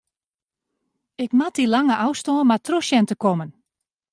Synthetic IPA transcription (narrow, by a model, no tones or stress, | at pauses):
ɪkmatilaŋəʔawstɔːmatroʃjɛntəkɔmən